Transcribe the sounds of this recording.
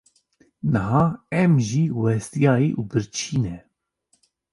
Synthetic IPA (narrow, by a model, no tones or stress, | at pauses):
nɨɦɑːɛmʒiːwɛst̪ijɑːjiːʔuːbɨɾt͡ʃʰiːnɛ